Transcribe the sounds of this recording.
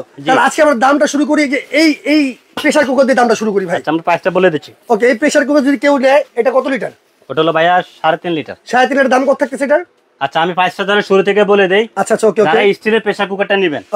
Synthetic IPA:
t̪alead͡ʑkeamɾad̪amʈaʃuɾuk̬oɾid͡ʑeʔejej | pɾeʃaɾkukaɾd̪ied̪amʈaʃuɾukoɾibʱajt͡ɕʰːaamɾapasʈaboled̪it͡ɕʰiokeejpɾeʃaɾk̬ukad͡ʑod̪ikewnɛeeʈakɔt̪oliʈaɾ | oʈaɦulobajaʃaɾet̪inliʈa̰ɾʃaɾet̪̬ineʈːad̪amkɔɾt̪ʰak̚t̪et͡ɕʰejʈaɾ | atːɕʰaamipajsʈad̪ʱɔɾeʃuɾut̪ʰekeboled̪ejatɕʰatːt͡ɕʰaokeoaɾeaisʈʰilepeʃaɾkukaʈ̚ːaniben

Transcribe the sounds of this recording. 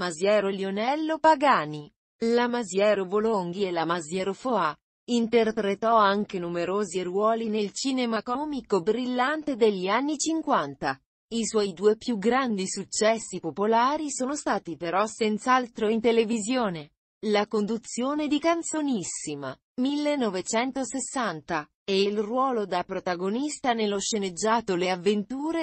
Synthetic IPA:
mazjɛːɾoljonɛlːopaɡaːni | lamazjɛːɾovoloŋɡielamazjɛːɾofoa | int̪erpɾet̪ɔaŋkenumeɾoːzierwɔːlinelt͡ʃiːnemakɔːmikobɾilːant̪ed̪eʎːianːit͡ʃiŋkwant̪a | iswɔːjd̪uːepjuɡɾand̪isut͡ʃːɛsːipopolaːɾisoːnost̪aːt̪ipeɾɔsent̪salt̪ɾoint̪elevizjoːne | lakond̪ut̪sjoːned̪ikant̪sonisima̰ | milːenːɔvet͡ʃɛnt̪osesːant̪a | eilrwɔːlod̪apɾot̪aɡonist̪anelːoʃened͡ʒːaːt̪oleavːent̪uːɾe

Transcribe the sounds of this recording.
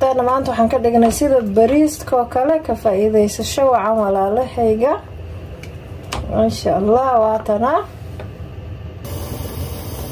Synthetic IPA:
ɛːnɐmaːnt̪ʰɐwɑħɑːŋkʰɐɖɪɡnɐsɪðɐbɐɾiːst̪kʰɔːkʰɐlɛkʰɐfaːʔiðɛjsɐʃɔwɑʕɑnwɑlaːlɛhɛjɣɐ | ʔɪʃɐɐlːaːhwɑːt̪ʰɐnɐ

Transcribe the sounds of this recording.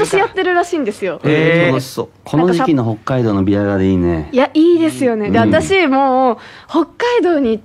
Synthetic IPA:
oɕijat̪ːe̞ɾɯ̟ɾaɕĩːnd̪e̞sɨjo̞eso | kʰo̞naoʑikʲino̞ɦo̞kːaid̪o̞ːno̞bʲiaɡad̪eiːnḛjaiːd̪e̞sɨjo̞ne̞d̪eat̪aɕimo̞ː | ho̞kːaid̪o̞ːɲ̟i

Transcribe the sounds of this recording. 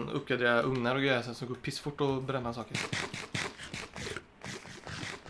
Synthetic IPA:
nɵ̰p̚ɡad̪eːɾaʔɵŋnaɾɔɡɾœːɛsəsɔmɡoːpʰɪsːfʊʈːɔbɾɛmːasɑːkəɾ

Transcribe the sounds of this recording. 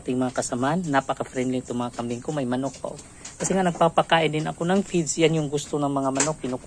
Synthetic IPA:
t̪ɪŋmɐŋakɐsɐmanːapɐkɐfɾɛnd̪lɪŋt̪ʊŋmɐŋakɐmɪŋkʊŋmɐjmɐnok̚pɐ̰ʔo | kɐsɛŋanɐɡ̚papakaːʔɪnd̪ɪnɐ̰ko̞nɐŋfid̪sjanjʊŋɡʊst̪onɐŋmɐŋamɐnok̚ːɪnʊk

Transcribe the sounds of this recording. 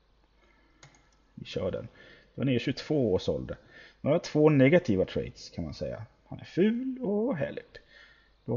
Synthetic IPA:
vɪɕœːɖɛ̰n | d̪̥ɛnæɾɕɵt̪ʰv̥oːoːʂɔld̪ə | noːaʈʰv̥oːnɛɡat̪ʰiːvat̪ʰɾɛ̰jt̪skʰanmansɛjːa̰ | hanæɾfʉ̟ːlɔɦɛ̰l | d̪̥ɔ

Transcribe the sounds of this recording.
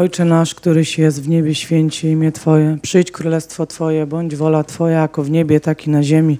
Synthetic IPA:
ɔjt͡ʂɛnaʂkt̪uɾɘɕjɛst̪vɲɛbʲjɛɕfʲjɛɲt͡ɕɛimʲjɛt̪fɔjɛpʂɘjt͡ɕkɾulɛst̪fɔt̪fɔjɛbɔɲd͡ʑvɔlat̪fɔjajakɔvɲebʲjɛt̪akʲinaʑemʲi

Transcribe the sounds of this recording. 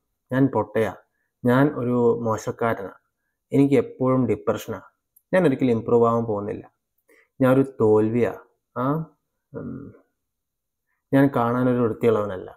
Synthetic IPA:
ɲaːnpo̞ʈːɐja̰ː | ɲaːno̞ɾumoɕɐkːaːɾɐna̰ː | e̞nikʲːɨe̞pːo̞ːɻumɖipːrɐʂɐnaː | ɲaːno̞ɾikʲːilimpruːʋaːʋumpo̞ːɣunːḭlːɐ̰ | ɲaːno̞ɾut̪o̞ːlʋija̰ː | aː | ɲaːnkaːɳaːno̞ɾuuɽut̪ːijɐɭɐʋunɐlːɐ̰

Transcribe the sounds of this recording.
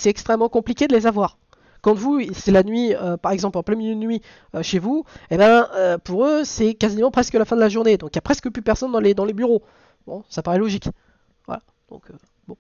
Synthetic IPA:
sɛt̪ɛkst̪χɛmːɑ̃kɔ̃plikʲed̪əlezavwaːʁ | kɑ̃t̪vusɛlanɥiøpaʁɛɡzɑ̃plɑ̃plɛ̃minjed̪ənɥi | øʃevuebɛ̃øpuʁøsɛkazimɑ̃pχɛskəlafɛ̃d̪əlaʒuʁned̪ɔ̃kjapχɛskəplyd̪əpɛʁsɔnd̪ɑ̃led̪ɑ̃lebyʁo | bɔ̰̃sapaʁɛlɔʒik | vwa̰la | d̪̥ɔ̰̃kʰø | bɔ̃

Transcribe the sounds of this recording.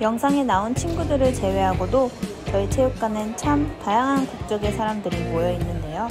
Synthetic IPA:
jʌŋsʰaŋe̞naunt͡ɕʰinɡudɯɾɯɭt͡ɕe̞we̞ɦaɡodo | t͡ɕʌɭit͡ɕʰejuk̚k͈anɯnt͡ɕʰamtajaŋɦankuk̚t͡ɕ͈ʌɡe̞sʰaɾamdɯɾimojʌinːɯnde̞jo

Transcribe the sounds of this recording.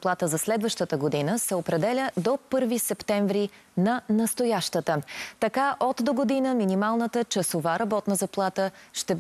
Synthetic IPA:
plˠat̪əzɐslɛd̪vəʃt̪ət̪əɡod̪inəsɛopɾɛd̪ɛlʲəd̪opɤɾvisɛpt̪ɛɱvɾi | nɐnɐst̪ojaʃt̪ət̪ət̪ɐkaʔot̪d̪oɡod̪inəminimalˠnət̪ət͡ʃəsovaɾɐbɔt̪nəzɐplˠat̪əʃt̪ɛb

